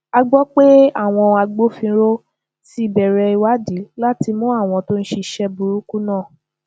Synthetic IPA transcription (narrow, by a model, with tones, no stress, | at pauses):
a˧ɡ͡bɔ˦k͡pe˦a˦˨w̃ɔ̃˧a˧ɡ͡bo˦fĩ˧ɾo˦ | si˦i˦˨bɛ˨ɾɛ˧i˧wa˦di˨˦la˦ti˧mũ˦a˦˨w̃ɔ̃˧to˦n̩˦ʃi˧ʃɛ˦bu˧ɾu˦ku˦nãː˦˨